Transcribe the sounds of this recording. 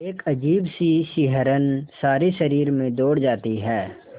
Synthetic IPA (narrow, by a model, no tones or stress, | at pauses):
eːkɐd͡ʒiːbsiʃɪɦəɾənsaːɾiʃɐɾiːɾmẽd̪oːɽd͡ʒaːt̪iɦɛː